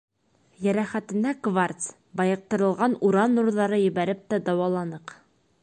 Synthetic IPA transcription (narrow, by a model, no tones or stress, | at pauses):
jæɾæχæt̪ɘ̆nækvart̪s | bɑjɤ̆q̚t̪ɤ̆ɾɤ̆lˠʁɑnuɾɑnːuɾðɑɾɤjɘ̆βæɾɘp̚t̪æd̪ɑwɑlˠɑnɤq